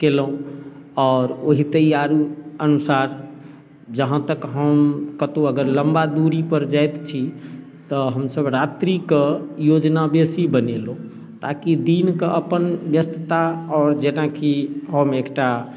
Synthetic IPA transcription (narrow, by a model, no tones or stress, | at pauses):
kelũɔːɾoɦit̪əijaɾuənusaɾ | d͡ʒəɦãt̪əkɦəmkət̪oəɡəɾləmbad̪uɾipəɾd͡ʒajt̪t͡ʃʰi | t̪ɔɦəmsəbɾat̪ɾikejod͡ʒnabesibənelõ | t̪akid̪inkeʔəpənbjəst̪ət̪aɔːɾd͡ʒenakiɦəmekʈa